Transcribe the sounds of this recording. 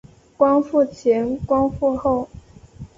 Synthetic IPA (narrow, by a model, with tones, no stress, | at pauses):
kwɑ˥ŋfu˥˩t͡ɕʰjɛ˧˥nkwɑ˥ŋfu˥˧xo˥˩ʊ